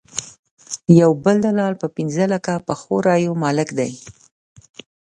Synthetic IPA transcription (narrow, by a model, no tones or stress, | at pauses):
jawbəld̪alɑlpəpɪnzəlakapəxoɾɑjomɑlɪkd̪aj